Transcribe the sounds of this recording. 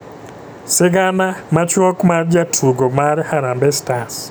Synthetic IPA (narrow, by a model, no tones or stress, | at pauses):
sɪɡanamat͡ʃwɔkmard͡ʒatʰuɡɔmaɾhaɾambɛstas